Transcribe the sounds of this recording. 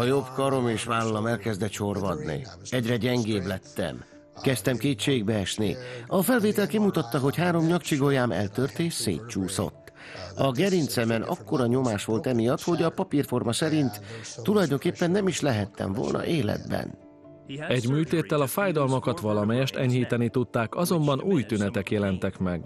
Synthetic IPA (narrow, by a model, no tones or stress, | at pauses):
ɒjo̞bkɒɾo̞meːʃʋaːlɒlɒmɛlkɛzd̪ɛʃo̞rvɒd̪nḭɛɟrɛɟɛŋɡeːblɛt̪ːɛ̰m | kɛst̪ɛmkeːt̪t͡ʃeːɡ̚bɛɛʃnḭɒfɛlveːt̪ɛlkimut̪ɒt̪ːɒɦo̞chaːɾo̞mɲɒkt͡ʃiɡo̞jaːmɛ̰lt̪ørt̪eːʃsḛːt̪t͡ʃuːso̞̰t̪ː | ɒɡɛɾint̪sɛmɛnɒ̰kːo̞ɾɒɲo̞maːʃʋo̞lt̪ɛmijɒt̪ho̞ɟɒpɒpirfo̞rmɒsɛɾint̪ːulɒjd̪o̞ŋkeːpːɛnːɛmiʃlɛɦɛt̪ːɛ̰ɱvo̞̰lnʔɒ̰ʔeːlɛ̰d̪bɛ̰n | ɛɟmyːlt̪eːt̪ːɛlɒfaːjd̪ɒlmokɒt̪ʋɒlɒmɛjɛʃt̪ɛɲhiːt̪ɛnit̪ut̪ːaːkɒzo̞mbɒnuːjt̪ynɛt̪ɛkjɛlɛnt̪ɛkmɛɡ